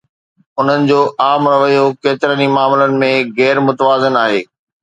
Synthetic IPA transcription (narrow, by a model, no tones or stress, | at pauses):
ʊn̤ənɪ̆d͡ʑoːʔaːmɾɐʋəjokeːt̪ɪɾənimaːmɪlənɪ̆mẽɣɛːɾmʊt̪əʋaːzɪnaːɦḛː